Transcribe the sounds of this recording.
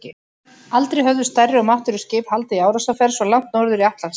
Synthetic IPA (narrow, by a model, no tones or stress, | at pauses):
cɪ | alt̪ɾejɦœvðʏst̪arːɪɔɣmaht̪ʏɾʏscɪːphalt̪aiaːwɾasafɛɾ̥svɔlawŋ̥t̪nowɾðʏɾiaht̪las